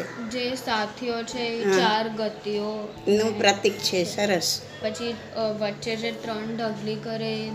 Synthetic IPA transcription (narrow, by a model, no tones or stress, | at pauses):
d͡ʒesat̪ʰijot͡ʃʰeɦt͡ʃaɾɡət̪io | nũpɾət̪ikt͡ʃʰesəɾəs | pət͡ʃʰi | ʋəʈːt͡ʃed͡ʒeʈɾəɳɖəɡʱlikəɾe